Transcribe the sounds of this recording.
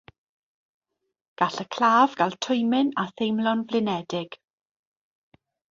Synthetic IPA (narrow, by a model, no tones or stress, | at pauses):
ɡ̥aɬəkʰlaːvɡalˠtʰʊjmɪnaθejmlˠɔnvlɪnɛdɪɡ̥